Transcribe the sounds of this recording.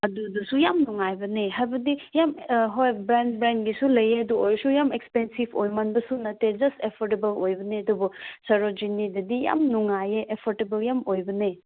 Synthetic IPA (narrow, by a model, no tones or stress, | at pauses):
ɐdudusujamnuŋajbɐneɦajbɐdijamɦojbɾandbɾan̚ɡisulɐjeɐduojɾsujamekspensibʰojmanbɐsunɐted͡ʒɐstepʰɔɾtebɐlojbɐneɐdubɔsɐɾod͡ʒinidɐdija̰mnuŋajeʔepʰɔɾtebɐljamojbɐne